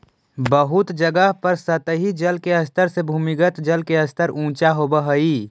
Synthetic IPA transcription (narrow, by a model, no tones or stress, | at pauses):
bəɦʊt̪d͡ʒəɡəɦpəɾsət̪ɦid͡ʒəlkeəst̪ʰəɾsebʱuːmiɡət̪d͡ʒəlkeəst̪ʰəɾʔũːt͡ʃaɦobəɦəi